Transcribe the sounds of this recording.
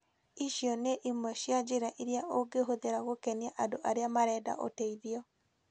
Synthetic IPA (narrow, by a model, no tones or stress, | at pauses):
iʃjɔneʔimɔɕjad͡ʒeɾaʔiɾiaʔoɡeɦoðeɾaɣokɛniaʔandoʔaɾeamaɾɛːda̰ʔo̰tɛiðiɔ